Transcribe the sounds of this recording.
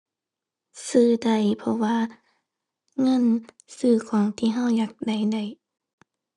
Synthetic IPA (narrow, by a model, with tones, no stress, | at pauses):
sɯː˧˩da˧˩jpʰɔ˧waː˧˨ | ŋɤ˧˥˨n | sɯː˧˩kʰɔː˨˦ŋt̪ʰiː˧˨ɦa˧˥˨wjaː˧˦k̚da˧˩jda˨˧˩j